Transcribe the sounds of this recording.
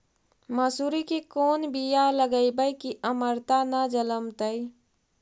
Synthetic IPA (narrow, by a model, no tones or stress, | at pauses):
məsuːɾikekoːnbijaləɡəibəjkiʔəməɾt̪anad͡ʒələmt̪əi